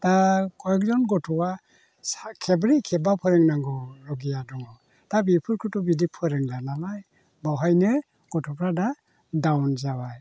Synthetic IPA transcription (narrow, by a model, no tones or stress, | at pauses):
takʰɔjɔk̚zɔnɡɔtʰɔwa | sakʰebɾikʰɛbapʰɯɾeŋnaŋɡɔɾɔɡijadɔŋɔ | tabipʰɯɾkʰɯtɔbidipʰɯɾɯŋdanamaj | bawɦajnɯ | ɡ̥ɔtʰɔpʰɾada | dawnzawaj